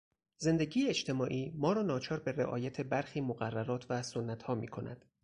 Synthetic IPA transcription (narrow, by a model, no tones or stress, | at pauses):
ze̞nd̪e̞ɟiːjeet͡ʃt̪ʰe̞mɒːʔiːmɒːɾɒːnɒːt͡ʃʰɒːɾbe̞ɾḛʔɒ̰ːjæt̪ʰe̞bæɾxiːmoɣærːæɾɒːt̪ʰvæsonːæt̪hɒːmḭːkʰo̞næ̰d̪̥